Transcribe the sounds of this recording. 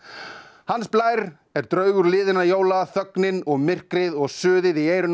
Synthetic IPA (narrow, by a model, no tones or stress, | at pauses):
hansplaːjɾ | ɛɾt̪ɾœːɥɣʏɾlɪːðɪnajoːwlaθœknɪnɔɣmɪr̥kɾɪðɔɣsʏːðɪðieːjɾʏn